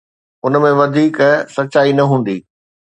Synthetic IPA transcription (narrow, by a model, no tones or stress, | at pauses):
ʊnmẽʋɐd̪ʱiːksɐɕaːinɐɦũːn̆d̪iː